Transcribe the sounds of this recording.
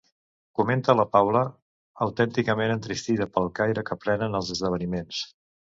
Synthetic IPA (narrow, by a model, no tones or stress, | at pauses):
kument̪ələpawləː | wt̪ɛnt̪ikəmenənt̪ɾist̪iðəpəlˠkajɾəkəpɾɛnənəlˠzəzðəβ̞ənimens